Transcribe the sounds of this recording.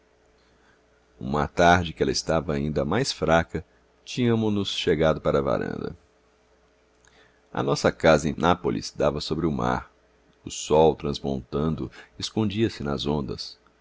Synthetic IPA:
ṵ̃mɐ̰t̪aɾd͡ʒɪkɪɛlɐɪst̪avɐaĩnd̪ɐmajsfɾakɐ | t͡ʃĩɲɐmʊnʊsʃeɡad̪ʊpaɾɐva̰ɾɐ̰̃nd̪ɐ̰ | ɐ̰nɔsɐkazɐẽnapolʔḭsd̪avɐsobɾɪʊma̰ɾ | ʊsɔwt̪ɾɐ̃zmõ̰nt̪ɐ̃nd̪ʊeskõnd͡ʒiɐsɪnɐzõnd̪ɐs

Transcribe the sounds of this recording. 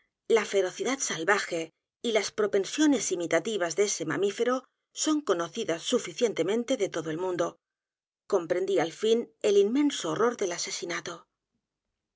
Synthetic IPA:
lafe̞ɾo̞θiðat̪salβaxe̞ | ilaspɾo̞pe̞nsjo̞ne̞simit̪at̪iβ̞azðee̞se̞ma̰mife̞ɾo̞ | soŋko̞no̞θiðasːufiθje̞nt̪e̞mẽnt̪e̞ðe̞t̪oðoelmũnd̪o̞ | ko̞mpɾe̞nd̪ialfine̞limmẽ̞nsoːro̞ɾðe̞lase̞sinat̪o̞

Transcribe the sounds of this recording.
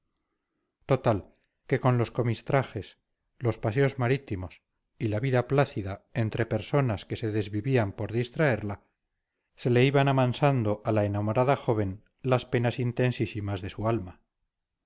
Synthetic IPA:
t̪o̞t̪al | ke̞ko̞nlo̞sko̞mist̪ɾaχe̞s | lo̞spas̬eo̞zmaɾit̪imo̞s | ilaβiðaplaθiðae̞nt̪ɾe̞pe̞ɾso̞naske̞se̞ðe̞zβiβiampo̞ɾðist̪ɾae̞ɾla | se̞le̞iβanaβansand̪oʔalaenamo̞ɾaðaxo̞β̞e̞n | laspe̞nasint̪e̞nsisimazðe̞sualma

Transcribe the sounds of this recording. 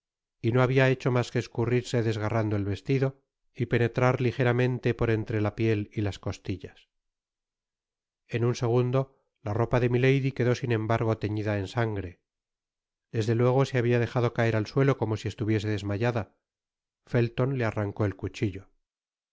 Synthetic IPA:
ino̞aβiae̞t͡ʃo̞maskeːskuriɾse̞ðe̞zɣarand̪oe̞lβe̞st̪iðo̞ | ipe̞ne̞t̪ɾaɾlixe̞ɾamẽ̞nt̪e̞po̞ɾe̞nt̪ɾe̞lapje̞lilasko̞st̪iʎas | enunse̞ɣ̞und̪o̞ | laro̞paðe̞mile̞jðikeðo̞sinẽ̞mbaɾɣ̞o̞t̪e̞ɲiðae̞nsaŋɡɾe̞ | d̪e̞zðe̞lwe̞ɣ̞o̞seaβiað̞e̞xaðo̞kae̞ɾalswe̞lo̞ko̞mo̞sie̞st̪uβje̞s̬e̞ðe̞zmaʝaða | fe̞lt̪o̞nle̞araŋko̞e̞lkut͡ʃiʎo̞

